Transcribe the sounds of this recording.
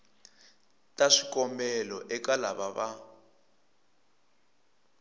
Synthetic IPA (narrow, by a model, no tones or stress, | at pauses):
tʼaʂikɔmbɛlɔʔɛkalaβaβa